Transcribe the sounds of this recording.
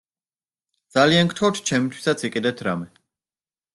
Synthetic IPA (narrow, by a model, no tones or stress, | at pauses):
d̪zaliankt̪ʰχɔwt̪ʰt͡ʃʰɛmit̪ʰwi̥sat̪sʰikʼid̪ɛt̪ʰɾamɛ